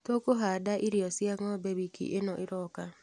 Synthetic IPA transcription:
tokoɦadaʔiɾiɔsjaŋɔbeβikʰḭʔenɔʔɪɾɔka

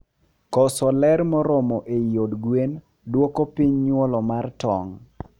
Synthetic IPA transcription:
kɔsɔlɛɾmɔɾɔmɔʔejodɡwen | dwokopiɲɲwɔlɔmartɔ̰ŋ

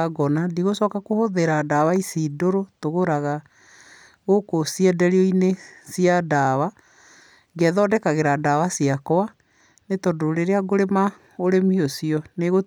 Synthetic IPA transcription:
ɡɔnadiɣosɔkakohoðeɾadawaisiːdoɾotoɣoɾaɣa | ɣokosiɛdɛɾiɔinesiadaβa | ŋɡɛðɔdɛkaɣeɾadawasiakɔwa | netɔdoɾeɾeaɡoɾema | oɾemiosiɔneɣo

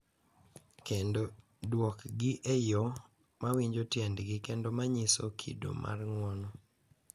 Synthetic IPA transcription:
kendo | dwɔkɡɪʔejɔ | mawiɲd͡ʒotjɛndɡɪkendomaɲisokʰḭdo̰mʔa̰rŋwɔnɔ

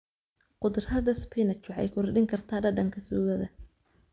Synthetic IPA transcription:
qʊd̪rhɐðɐspʰinɐt͡ʃʊʕɛ̰jkʰʊrɐɖɪŋkʰɐrt̪ʰaːɖɐɖɐŋkʰɐsuːɣɐðɐ

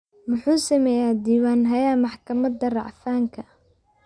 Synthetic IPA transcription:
mʊħuːsɐmɛjaːd̪iːwaːnɦɐjaːmɑħkʰɐmɐd̪ɐrɑʕfaːŋkʰɐ

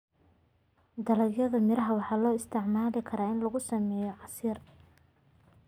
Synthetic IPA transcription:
d̪ɐlɐjɐðɐmɪɾɐɦɐwɑħɑːlɔːɪst̪ʰɪʕmaːlɪkʰɐɾaːɪnlɐɣʊsɐmɛːjɔʕɑsiːr

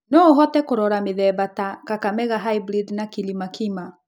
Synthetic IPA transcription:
nɔoɦɔtɛkoɾɔɾameðɛbatakakamɛɣaɦaibɾidnakilimakʰima

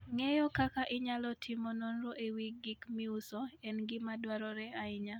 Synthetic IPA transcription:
ŋɛjɔkakaʔɪɲalɔtʰɪmononɾoʔewiɡikmiusɔɛnɡɪmadwaɾɔɾɛaɪɲa

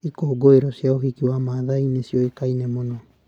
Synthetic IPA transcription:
ikoːɡoeɾɔsjaoɦikiwamaːðainesjɔekainɛmonɔ

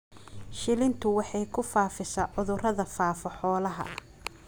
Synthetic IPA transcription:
ʃɪlɪnt̪ʰʊwɑħɑjkʰʊfaːfɪsɐʕʊðʊrɐðɐfaːfɔħɔːlɐɦɐ̰

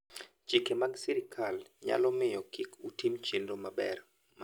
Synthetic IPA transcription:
d͡ʒ̥ikɛmaɡsiɾikʰalɲa̰lɔmɪjɔkʰikutʰimt͡ʃindɔmaɓɛ̰ɾ | m

